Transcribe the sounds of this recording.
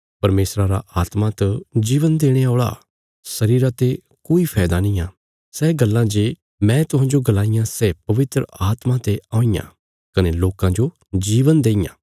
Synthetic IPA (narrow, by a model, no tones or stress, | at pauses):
pɐɾmeːsɾaɾa̰ʔaːt̪mat̪ɐd͡ʒiːʋənd̪eːɽ̃eoːɭa̰ | sɐɾiːɾat̪e | koːipʰɛːd̪anəĩːãː | sɛːɡɐlːãd͡ʒeː | mɛ̃ːt̪ʊɦãːd͡ʒoɡɐlaːijãsɛːpɐʋɪt̪ɾə̰aːt̪mãt̪eãːijã̰ː | kɐneloːkãd͡ʒo | d͡ʒiːʋənd̪eːɪjã̰ː